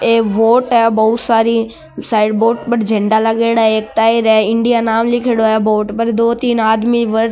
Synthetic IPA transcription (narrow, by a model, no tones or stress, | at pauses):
eʋoːʈaebɐɦʊt̪saːɾi | saːɪɖboːʈbɐʈd͡ʒʱẽɳɖalɐɠeːɽaːeːk̚ʈaːiɾɛɪ̃ɳɖijanaːmlɪkʰeɽoaːjeboːʈpɐɾd̪oːt̪iːnaːd̪miʋɐɾ